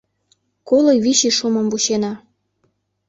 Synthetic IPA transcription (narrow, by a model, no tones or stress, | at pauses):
kolojβiɕiʃumɤmvuɕenɑ